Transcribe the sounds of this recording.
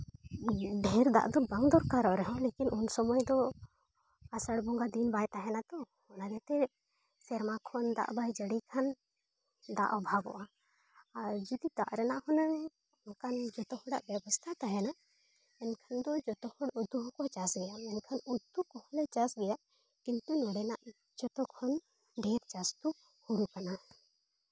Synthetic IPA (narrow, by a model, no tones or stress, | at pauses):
ɖʱɛɾd̪a̰ʔd̪ɔbaŋd̪ɔɾkaɾɔʔɾɛɦɔ̃lekinʔunsɔmɔjd̪ɔ | asəɽbɔŋɡad̪inbajt̪aɦɛnat̪ɔ | hɔnad̪ɛt̪ɛ | sɛɾmakʰɔnd̪a̰ʔbajd͡ʒəɽikʰan | d̪a̰ʔɔbʱaɡɔ̰ʔa | aɾd͡ʒɔd̪id̪a̰ʔɾɛnaʔhɔnanɛ | kand͡ʒɔt̪ɔɦɔɖaʔbjɛbɔst̪ʰat̪aɦɛna | ɛnkʰɐnd̪ɔd͡ʒɔt̪ɔhɔɽud̪uɦkɔt͡ʃasɡɛjamɛnkʰɐnut̪ːukɔhɔlɛt͡ʃasɡɛjaʔ | kint̪unɔɽɛnaʔ | d͡ʒɔt̪ɔkʰɔn | ɖeɾt͡ʃast̪u | huɾukana